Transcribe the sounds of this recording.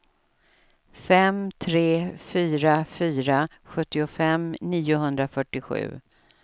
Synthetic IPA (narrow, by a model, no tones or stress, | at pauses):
fɛmt̪ʰɾeːfyːɾafyːɾa | ɧɵt̪ːɪʊfɛmniːʊɦɵnd̪ɾafœʈːɪɧʉ̟̰ː